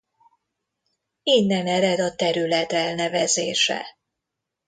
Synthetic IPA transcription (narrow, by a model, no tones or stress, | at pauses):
inːɛnɛɾɛd̪ɒt̪ɛɾylɛt̪ɛlnɛvɛzeːʃɛ̰